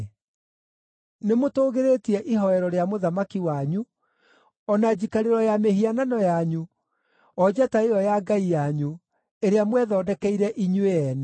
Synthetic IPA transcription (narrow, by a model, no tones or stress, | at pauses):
nemotoːɣeɾetiɛʔiɦɔɛɾɔɾeamoðamakiwaɲu | ɔnad͡ʑikaɾeɾɔjameɦiananɔjaɲu | ɔd͡ʑataeɔjaɡaijaɲu | eɾeamwɛðɔːdɛkɛiɾɛʔiɲweɛnɛ